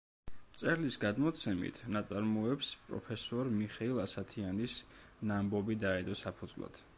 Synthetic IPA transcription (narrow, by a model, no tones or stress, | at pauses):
t̪sʼɛɾlisɡad̪mɔt̪sʰɛmḭt̪ʰnat̪sʼaɾmɔɛpspʼɾɔ̰pʰɛsɔɾmiχɛilˠasat̪ʰianis | nambɔbid̪aɛd̪ɔsapʰud̪zvlˠa̰d̪̥